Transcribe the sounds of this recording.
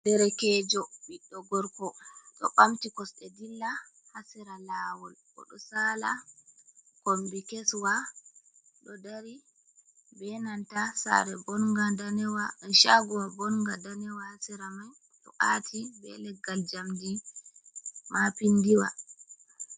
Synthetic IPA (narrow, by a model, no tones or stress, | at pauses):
dɛɾɛkɛd͡ʒɔɓiɗːɔɡɔɾkɔɗɔ̰ɓamtikɔsɗɛdilːa | hasiɾalawɔlkɔ̰ɗɔsaːla | kombikɛswa | ɗɔdaɾi | bɛnantasa̰ɾɛbɔnŋɡadanɛwaɗɔnʃaɡuwabɔnŋɡadanɛwahasiɾamaj | ɗɔʔatʰibɛ̰lɛɡːald͡ʒamdi | mapindiwa̰